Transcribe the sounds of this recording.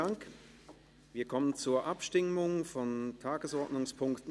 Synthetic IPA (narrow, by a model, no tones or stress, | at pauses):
aŋk | viːɐkʰɔmənt͡suːɐʔapʃtɪmʊŋfɔntʰaːɡəsɔɐtnʊŋspʰʊŋktn̩